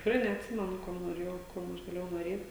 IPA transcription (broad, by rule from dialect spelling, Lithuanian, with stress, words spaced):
tʲɪkˈrɐɪ nʲɛɐtʲˈsʲɪmʲɛnʊ ˈkuɔm noːˈrʲeːjɛʊ ˈkuɔm ɐʃ ɡɐˈlʲeːjɛʊ noːˈrʲeːtʲ